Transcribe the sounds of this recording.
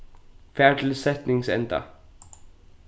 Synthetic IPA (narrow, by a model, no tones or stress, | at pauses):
fɛːɹt̪ʰɪlsɛt̪nɪŋsɛ̰nt̪a̰